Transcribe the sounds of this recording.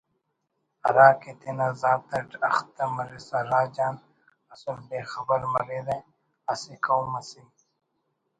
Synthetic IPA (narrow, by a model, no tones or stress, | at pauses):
ɐ̰ɾaːket̪inazaːt̪ɐʈɐ̰xt̪ɐmɐɾisɐɾaːd͡ʑaːn | ɐsulbeːxɐbɐɾmɐɾiɾẽ | ɐsikɐwmɐsi